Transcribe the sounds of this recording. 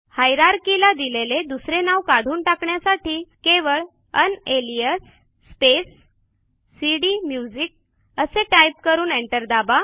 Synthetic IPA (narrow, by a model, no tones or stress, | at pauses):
hajɾaɾkilad̪ileled̪usɾenaʋkaɽ̤ʱuːnʈakɳjasaʈiːkeʋəɭ | ənelijəsː | pesː | iɽimjud͡ʑik̚ | əseʈajp̚kəɾuːneɳʈəɾd̪aba